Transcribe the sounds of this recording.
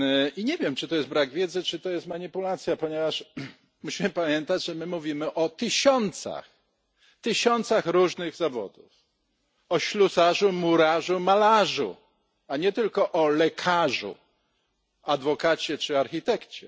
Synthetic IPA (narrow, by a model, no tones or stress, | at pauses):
iɲɛvʲjɛmt͡ʂɨt̪ɔjɛst̪bɾaɡvʲjɛd̪zɘt͡ʂɘt̪ɔjɛst̪maɲipulat̪sʲjapɔɲevaʂ | muɕimɘpamʲjɛnt̪ad͡ʑʐɛmɘmuvʲimɘʔɔt̪ɘɕɔnt̪sa̰x | t̪ɘɕɔnt̪saxɾuʐnɘɣzavɔ̰d̪uf | ɔɕlusaʐumuɾaʐumalaʐṵ | aɲɛt̪ɘlkɔʔɔlɛkʰaʐṵ | ad̪vɔkat͡ɕɛt͡ʂɘaɾxʲit̪ɛkt͡ɕɛ